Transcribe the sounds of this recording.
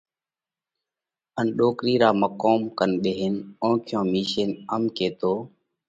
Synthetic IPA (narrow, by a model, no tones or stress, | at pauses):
ənɗoːkɾiːɾaːməkoːmkənɓeːɦɪnõːkʰjõːmiːʃeːnəmkeːt̪oː